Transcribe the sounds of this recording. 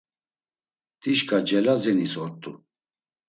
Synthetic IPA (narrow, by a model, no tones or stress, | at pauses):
t̪ʼiʃkʼad͡ʒɛlazɛnisɔɾt̪ʼu